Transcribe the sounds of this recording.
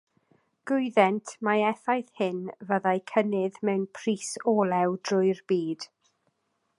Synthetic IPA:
ɡ̥ʊjðɛntʰmaɛθajθhɪnvəðajkʰənɪðmɛwnpʰr̥iːsɔːlˠɛwdrʊjrbiːd̥

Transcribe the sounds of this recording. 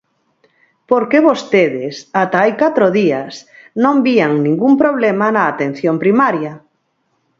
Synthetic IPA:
poɾkeβost̪eðesat̪aajkat̪ɾoðias | nõmbiaŋnĩŋɡumpɾoβ̞lemanaːt̪ẽn̟θjompɾimaɾja

